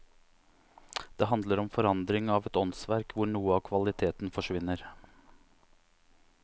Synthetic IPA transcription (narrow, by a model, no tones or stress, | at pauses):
d̪̥eːɦɑnd̪ləɾɔmfɔɾɑnd̪ɾɪŋɑːʋɛt̪ɔnsʋæɾkʰʋʊɳuːəɑːkʰʋɑlɪt̪ʰeːt̪n̩fɔʂʋɪnːəɾ